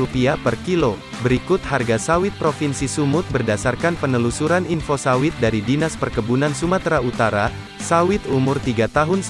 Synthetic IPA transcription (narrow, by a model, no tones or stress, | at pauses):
upiapərkilo | bəɾikʊt̪̚harɡasawɪt̪̚pɾofinsisumʊt̪̚bərdasarkanpənəlusuɾaninfosawɪt̪̚daɾidinaspərkəbunansumat̪ɾaut̪aɾa | sawɪt̪umʊrt̪iɡat̪aɦʊn